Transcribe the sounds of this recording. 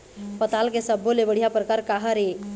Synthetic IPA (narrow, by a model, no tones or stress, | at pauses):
pət̪alkesəbʱːolebəɽ̤ijapɾəkaɾkaɦəɾe